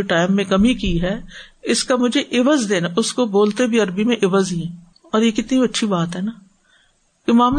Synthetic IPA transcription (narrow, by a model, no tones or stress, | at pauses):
ʈaːɪmːẽkɐmikiɦɛːɪskamʊd͡ʒʱeʔɪʋəzd̪eːnaʔʊskoboːlt̪ebʱiɐɾbimẽʔɪʋəzĩ | ɔːɾjekɪt̪niɐtːʃʰibaːt̪ɦɛnaː | kemaːm